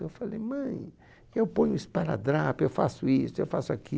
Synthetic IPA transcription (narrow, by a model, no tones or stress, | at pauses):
ewfalḛjmɐ̃j̃ | ewpõɲʊispaɾa̰d̪ɾapewfasʊisʊewfasʊakʰi